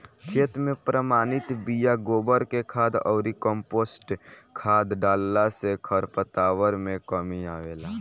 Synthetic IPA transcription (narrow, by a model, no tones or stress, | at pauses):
kʰeːt̪mẽpɾəmaːnɪt̪bijaɡoːbəɾkekʰaːd̪ɔːɾikəmpoːsʈkʰaːd̪ɖaːlːasekʰəɾpət̪aːwəɾmẽkəmiaːʋeːlaː